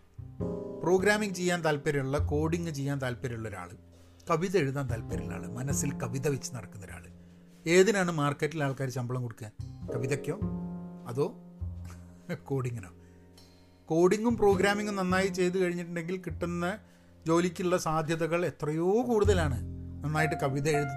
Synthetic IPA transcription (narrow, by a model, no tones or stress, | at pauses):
pro̞ːɡɾaːmiŋɡɨt͡ɕe̞jːaːnt̪ɐlpeɾuɭːɐko̞ːɽiŋɡɨt͡ɕe̞jːaːnt̪ɐlpeɾuɭːɐoɾa̰ːɭɨ | kɐʋiðɐeɻuðaːnt̪ɐlpɐɾiɭːa̰ːɭɨmɐnɐsːilkɐʋiðɐʋet͡ɕːɨnɐɽɐkːunːoɾa̰ːɭɨ | e̞ːðinaːɳɨmaːrkːɐtːilaːɭkaːɾut͡ɕɐmbɐɭɐmkoɽukːɨkɐʋiðɐkːoːɐðo̞ː | ko̞ːɽiŋɡino̰ː | ko̞ːɽiŋɡumpro̞ːɡɾaːmiŋɡumnɐnːaːjit͡ɕe̞jt̪̬ukɐɻiɲːiʈːɨɳɖe̞ŋɡilkiʈːunːɐ | d͡ʑo̞ːlikʲːuuɭːɐsaːd̪ʱjɐðɐɣɐɭe̞t̪rɐjo̞ːkuːɽuðɐlaːɳɨnɐnːaːjiʈːɨkɐʋiðɐeɻuðɐ